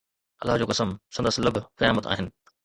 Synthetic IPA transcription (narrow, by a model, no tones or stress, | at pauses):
ɐ̰lːaɦd͡ʑoːkɐsəmsɐ̃nd̪əslɐbʱkɐjaːmət̪a̰ːɦɪnɪ̆